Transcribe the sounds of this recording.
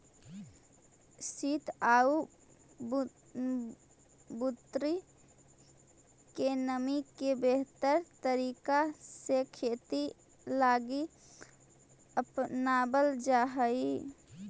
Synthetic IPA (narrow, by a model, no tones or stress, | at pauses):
sit̪au | but̪ɾi | kenəmikebeɦt̪əɾt̪əɾiːkasekʰeːt̪i | laːɡi | əpnaːbəld͡ʒaɦəi